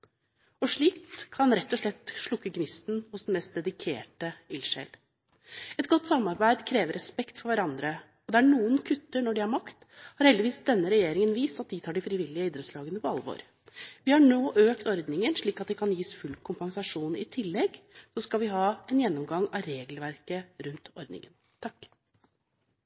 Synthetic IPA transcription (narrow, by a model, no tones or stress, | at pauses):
ɔʂɭiːkʰːɑnɾɛt̪ːɔʂɭɛt̪ːʂɭʊkːəɡnɪst̪n̩hʊsd̪ɛn̩mɛst̪̚d̪ɛd̪ɪkʰḛːʈəɪlʂɛ̰l | ɛt̪ɡɔt̪ːsɑmːɑɾbæɪd̪kʰɾeːʋəɾɛspɛkt̪fɔɾʋæɾɑnd̪ɾə | ɔd̪ɛæɳuːənkʰʉt̪ːəɳɔɖɪhɑɾmɑkt̪ | hɑɾhɛld̪ɪʋiːsd̪ɛnːəɾɛjeːɾɪŋənʋiːst̪ɑt̪̚d̪it̪ʰɑːɖɪfɾɪʋɪlːɪəiːd̪ɾəslɑːɡənəpʰɔɑləʋo̰ːɾ | ʋɪhɑɳoːʔøːkt̪ɔɾd̪nɪŋənʂɭiːkɑt̪̚d̪ɛkʰɑnjiːsfʉlkʰʊmpɑŋsɑʂuːnɪ̰t̪ʰɪlːɛɡsɔskɑlʋɪɦɑːɛnjɛnːɔmɡɑŋɑɾeːɡlʋæɾkəɾʉnt̪ɔɾd̪nɪ̰ŋə̰n | t̪ʰɑkː